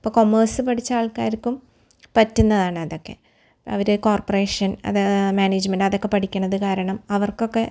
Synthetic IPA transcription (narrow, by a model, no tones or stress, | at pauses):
pːoːko̞mːɐːrsɨpɐʈit͡ɕːaːɭka̰ːjɾikːum | pɐtːunːɐðaːɳɨɐðo̞kːe̞̰ | ɐ̰ʋɐɾeko̞ːrpore̞ːʂɐnɐ̰ðmaːneːd͡ʑmenɖɐðo̞kːepɐʈʰikʲːunːɐðɨkaːɾɐɳɐmɐʋɐrko̞kːe̞